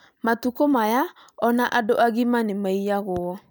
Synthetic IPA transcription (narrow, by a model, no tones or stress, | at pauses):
matukomaja | ɔnaʔadoʔaɣimanemaijaɣoɔ